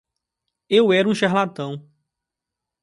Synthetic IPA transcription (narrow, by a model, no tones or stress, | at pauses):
ewɛɾũʃeɦlat̪ɐ̃w̃